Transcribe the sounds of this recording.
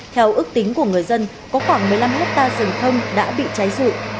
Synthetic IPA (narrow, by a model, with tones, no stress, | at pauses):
t̪ʰɛ˧wʔɨ˦˥k̚t̪ï˨˦ŋ̟ku˧˩əŋɨ˨˩əjzə˧n | kɔ˨˦xwaː˧˩ŋmɨ˨˩əjla˧mlaː˦˥p̚t̪aː˧zə˨˩ŋt̪ʰə˧wŋ͡mɗa̰ː˧˥ɓḭ˧˨t͡ɕa˨˦jzɨ̰˧˨